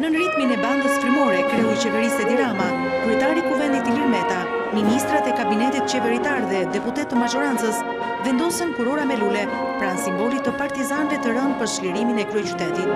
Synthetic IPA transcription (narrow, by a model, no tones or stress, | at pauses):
nənɾit̪minɛbaŋɡ̪əsfiɾmɔɾɛkɾɛuit͡ɕɛvɛɾisɛd̪iɾama | kɾyɛt̪aɾikuvɛnd̪it̪iliɾmɛt̪a | minist̪ɾat̪ɛkabinɛt̪it̪t͡ʃɛvɛɾit̪aɾðɛd̪ɛput̪ɛt̪ːəmad͡ʒɔɾant͡səs | vɛnd̪ɔsənkuɾɔɾamɛlulɛ | pɾansimbɔlit̪əpaɾt̪izanvɛt̪əɾən̚pəɾʃlɛɾiminɛkɾyɛt͡ʃyt̪ɛt̪it̪̚